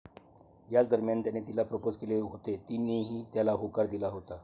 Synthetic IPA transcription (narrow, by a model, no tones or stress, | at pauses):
jat͡sd̪əɾmjant̪janet̪ilapɾəpod͡zkeleɦot̪et̪ineɦiːt̪jalaɦokaɾd̪ilaɦot̪a